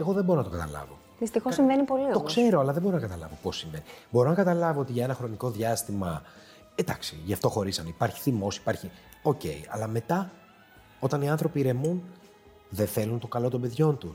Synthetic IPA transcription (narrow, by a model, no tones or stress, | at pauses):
eɣo̞ðembo̞ɾo̞nɐt̪okɐt̪ɐlɐ̰vo̞̰ | ðist̪ixo̞ssiɱvenipo̞lit̪okse̞ɾo̞ɐlɐðemboɾonɐkɐt̪ɐlɐvo̞po̞sːiɱve̞nibo̞ɾo̞nɐkɐt̪ɐlɐvo̞o̞t̪iʝɐe̞nɐxɾo̞niko̞ðʝɐst̪imɐ | ed̪ɐksiʝɐft̪o̞xo̞ɾisɐnipɐɾçi̥θimo̞si̥pɐɾçi | o̞ce̞̰iɐ̰lɐme̞t̪ɐ | o̞t̪ɐniɐnθɾo̞piɾe̞mun | ðe̞θe̞lunt̪o̞kɐlo̞t̪o̞mbe̞ðʝo̞nt̪u